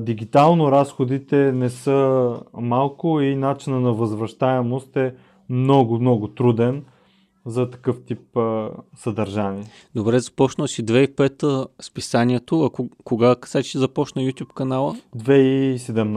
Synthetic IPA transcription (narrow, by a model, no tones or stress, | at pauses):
d̪iɡʲit̪alˠnoɾasxod̪it̪ɛnɛsɤmalˠkʊinat͡ʃinənɐvəzvɾɐʃt̪aɛmost̪ɛ | mnɔɡʊmnɔɡʊt̪ɾud̪ɛn | zɐt̪ɐ̥kɤft̪ip̚ | sɐd̪ɐɾʒaniɛ | d̪obɾɛzɐpɔt͡ʃnəsid̪vɛipɛt̪əspisaniɛt̪oɐkʊkoɡaksasizɐpɔt͡ʃnəjut̪ʲupkɐnalˠəd̪vɛisɛd̪ɛmn